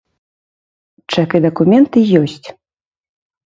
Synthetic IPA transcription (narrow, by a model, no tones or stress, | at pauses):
t͡ʂakɨd̪ɐkumʲɛnt̪ɨjɔsʲt͡sʲ